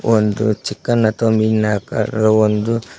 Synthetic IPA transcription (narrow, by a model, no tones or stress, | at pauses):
ond̪ṵt͡ʃikːɐnːɐt̪ombinaka̰ɾɐond̪u